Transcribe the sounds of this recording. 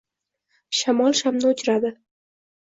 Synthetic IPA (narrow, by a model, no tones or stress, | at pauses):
ʃamɒlˠʃamnɨʊt͡ʃʰɾad̪ɪ